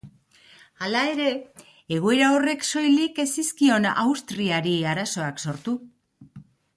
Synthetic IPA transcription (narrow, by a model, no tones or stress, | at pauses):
alae̞ɾe̞ | e̞ɣ̞oe̞ɾao̞re̞kso̞jlike̞siskio̞na̰wst̪ɾiaɾiaɾaso̞akso̞ɾt̪u